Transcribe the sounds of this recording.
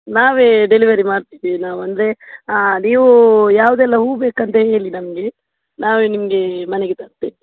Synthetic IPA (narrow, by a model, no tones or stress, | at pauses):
naːʋeɖeliʋɐɾimaːɖt̪iʋinaːʋuɐnd̪ɾeniːʋujaːʋud̪ɛlːɐɦuːbeːkɐnt̪eɦe̞ːlinɐmɐɡe̞ | naːʋenimɐɡe̞mɐne̞ɡet̪ɐɾt̪ːii